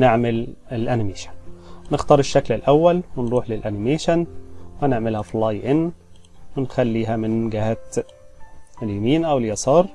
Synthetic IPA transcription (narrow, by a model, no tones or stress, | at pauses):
nɪʕmɪlɪlʔænɪmeːʃḁnnɪxt̪ɑːɾˤɪʃːaklɪlʔawːalwɪnɾuːħlɪlʔænɪmeːʃanwɪnɪʕmɪlhaflɑjʔɪnː | wɪnxalːiːɦæmɪnɡɪhat̪ | ɪljamiːnʔawɪljɑsˤɑːɾˤ